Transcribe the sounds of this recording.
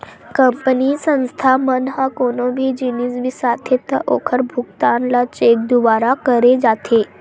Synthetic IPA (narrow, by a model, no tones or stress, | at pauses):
kəmpnisə̃ñst̪ʰamənɦakoñobʱiːd͡ʑiniːsʋiːsat̪ʰet̪əʔokʰəɾbʱukt̪anlat͡ɕek̚d̪uʋaɾakəɾed͡zat̪ʰe